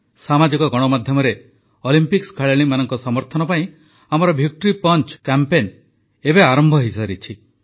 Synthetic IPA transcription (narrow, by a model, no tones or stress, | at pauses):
samad͡ʒikɔɡɔɽ̃ɔmad̪ʱjɔmɔɾe | ɔlimpikskʰaɭeɭ̃imanɔŋkɔsɔmɔɾt̪ʰɔnɔpaĩ | amɔɾɔbʱjuk̚ʈɔɾipɔnt͡ʃkampen | ebeaɾɔmbʱɔɦisaɾit͡ʃʰi